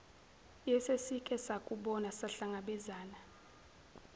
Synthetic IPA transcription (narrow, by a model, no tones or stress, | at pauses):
jɛsesikʼɛsakʼuɓɔnasaɬaŋaɓɛzaːna